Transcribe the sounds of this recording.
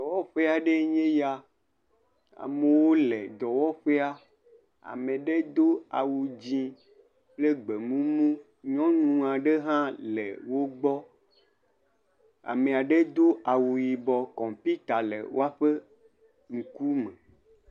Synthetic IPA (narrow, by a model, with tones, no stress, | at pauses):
d̪ɔ˨wɔ˦ɸe˦a˨ɖe˦ɲẽ˦ja˦ | a̰˨me˨wo˦le˨d̪ɔ˨wɔ˦ɸe˦a˦ | a̰˨mẽ˨ɖe˦d̪o˦a̰˨wu˨d͡ʑĩ˦ | ple˦ɡ͡be˨mũ˦mũ˦ | ɲɔ̃˦nũ˨ã˨ɖe˦ɦã˦lḛ˨wo˦ɡ͡bɔ˦ | a̰˨me˨a˨ɖe˦d̪o˦a˨wu˨ji˨bɔ˨kɔ̃˨pi˦t̪a˨lḛ˨wʔo̰˦a˦ɸe˦ | ŋ̩̃˨ku˦mẽ˨